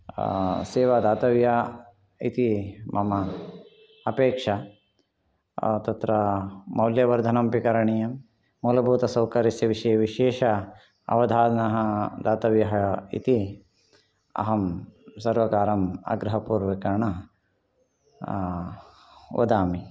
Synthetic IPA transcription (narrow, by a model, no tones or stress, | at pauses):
seːʋaːd̪aːt̪ɐʋja | it̪imʔɐmɐ | ɐpeːkʂɐ | t̪ɐt̪ɾɐmɐwljɐʋɐɾd̪ʱɐnɐmpikɐɾɐɳijɐmː | uːlɐbʱuːt̪ɐsɐwkɐɾisjɐʋiʃɐjɐʋiʃeːʃɐ | ɐ̰ʋɐd̪ʱaːd̪nɐɦɐd̪aːt̪ɐʋjɐɦɐḭt̪i | ɐ̰ɦɐmsɐɾʋɐkaːɾɐmɐ̰ɡɾɐɦɐpuːɾʋɐkɐɳɐ | ʋɐ̰d̪aːmi